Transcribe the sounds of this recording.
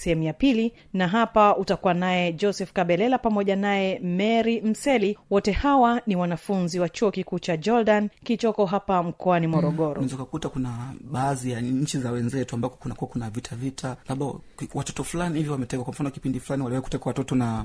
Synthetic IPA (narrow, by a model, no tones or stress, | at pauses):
sɛhɛmujapili | naɦapautakuwanaɛd͡ʒɔsɛfkaɓɛlɛlapamɔʄanaɛmɛɾim̩sɛliwɔtɛhawaniwanafunziwat͡ʃuɔkikuːt͡ʃad͡ʒɔldankit͡ʃɔkɔɦapam̩kɔanimɔɾɔɠɔɾɔnɛzaukakutakunaɓaːzijaɲɲ̩t͡ʃizawɛnzɛtuambakɔ̥kunakuwakunavitʰavitʰalaɓawatɔ̥tɔfulanihiviwamɛtɛkwakwam̩fanɔki̥pindifulaniwaliwaiku̥tɛkwawatɔtɔna